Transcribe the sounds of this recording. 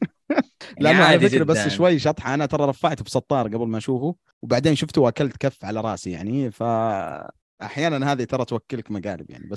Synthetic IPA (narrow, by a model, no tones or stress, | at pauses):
lɪʔanːaʕalaɪkɾabasːʃwajːʃɑt̪ˤħɑʔanat̪ɑɾˤɑɾˤɑfːaʕt̪bsˤɑt̪ˤːɑːɾˤɡablmaʔaʃuːfu | wbaʕd̪eːnʃʊft̪uwʔakalt̪kafːʕalaɾˤɑːsija̰ʕnifa | ʔaħjaːnanɦaːðit̪ɑɾˤɑt̪wakːɪlkmaɡa̰ːlɪbja̰ʕnḭba